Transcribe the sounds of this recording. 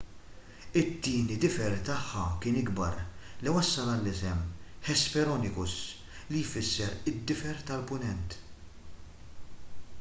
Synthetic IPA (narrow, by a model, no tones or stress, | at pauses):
ɪt̪ːiːnid̪ɪfɛɾt̪ɐħːɐkɪːnɪɡbɐɾliwɐsːɐlɐlːɪsɛmħɛspɛɾɔnɪkʊs | lijfɪsːɛɾɪd̪ːɪfɛɾt̪ɐlpʊnɛnt̪